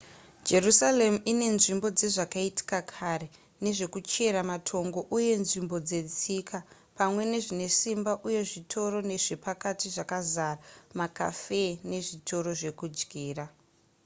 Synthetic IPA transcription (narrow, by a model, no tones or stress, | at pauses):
d͡ʒe̞rusale̞muine̞nʐimbo̞d͡ze̞ʐakaiti̥kakʰaɾe̞ | ne̞ʐe̞kut͡ʃe̞ɾamatʰo̞ŋɡo̞ʔuje̞nʐimbo̞d͡ze̞t͡sika | pamwe̞ne̞ʐine̞simbaʔuje̞ʐitʰo̞ro̞ne̞ʐe̞pakatiʐakazaramaka̰fe̞ne̞ʐitʰo̞ɾo̞ʐe̞kud͡ʒɡʱiːra